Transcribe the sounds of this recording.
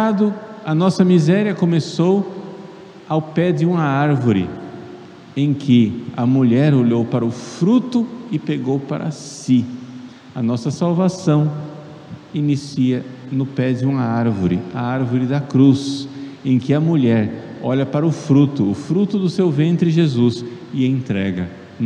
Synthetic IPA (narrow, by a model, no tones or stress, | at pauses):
ad̪ʊɐnɔsɐmizɛɾiɐkomesow | awpɛd͡ʒɪũmɐaɾvoɾɪ̰ | ẽj̃kʰɪɐmuʎɛɾoʎowpaɾɐʊfɾut̪ʊɪpeɡowpa̰ɾɐ̰si | ɐnɔsɐsawvasɐ̃w̃ | inisiɐnʊpɛd͡ʒɪũmɐaɾvoɾɪ̰ɐ̰aɾvoɾɪd̪ɐkɾusẽj̃kɪɐmuʎɛɾɔʎɐpaɾɐʊfɾut̪ʊːfɾut̪ʊd̪ʊsewvẽnt̪ɾɪʒezus | ɪẽnt̪ɾɛɡɐ